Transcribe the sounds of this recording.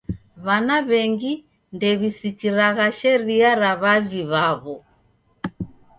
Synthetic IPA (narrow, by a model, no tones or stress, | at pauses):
βanaβɛŋɡi | ndɛβisikiɾaɣaʃɛɾiaɾaβaviβaβɔ